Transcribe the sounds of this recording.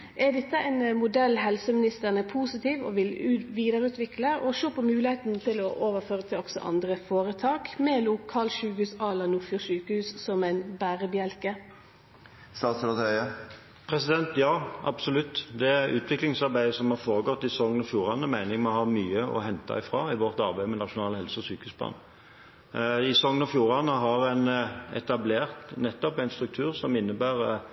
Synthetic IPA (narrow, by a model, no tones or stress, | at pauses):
ʔɛd̪ɛt̪ːəɛɪnmʊd̪ɛlːɦɛlsəmɪnɪst̪əʁnəpʰuːsɪt̪ʰiːʋɔ̰ʋɪlʉʋiːd̪əɾəʉːt̪ʋɪkləɔʃoːpʰɔmʉːlɪheːt̪nt̪ʰɪlɔʔoːʋəɾføːʁət̪ʰɪlɔksɔ̰ʔɑ̰nd̪ʁəfoːɾət̪ʰɑːkmɛːluːkʰːɑlʃʉːkhʉːsɑlɑnʊfjʊʃʉːkəhʉːssɔmæɪnbæːʁəbɪɛlkə | st̪ɑːt̪slɑt̪œə | pʰʁɛsɪd̪ɛnt̪jɑːʔɑ̰bsɔlʉt̪ːd̪ɛæɾʔʉːt̪ʰʋɪklɪŋsɑʁbæɪəsɔmhɑʁfoːʁəɡɔt̪ːɪsɔŋənɔfjuːʁɑnəmæɪnɪŋmɔhɑmyːəɔ̰ɦɛnt̪ɑ̰ɪfʁɑ̰ːɪʋɔʁt̪ɑʁbæɪmɛnɑʃʊnɑːləhɛlsəɔsyːkəʉːsb̪ɑ̰ːn | ɪsɔŋːənɔfjuːʁɑnəɦɑʁɛnɛ̰t̪ɑbleːʁt̪nɛt̪ːɔpæɪnst̪ʁʉk̚t̪ʰʉːʁsɔmɪnːəbæːʁ